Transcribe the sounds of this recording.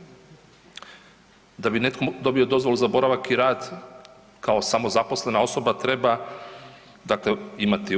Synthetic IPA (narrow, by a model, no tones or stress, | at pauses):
d̪abine̞t̪kʰod̪o̞bio̞d̪o̞zʋo̞luzabo̞ɾaʋakiɾaːd̪ | kao̞samo̞zapo̞sle̞nao̞so̞bat̪ɾe̞ba | d̪akle̞imat̪i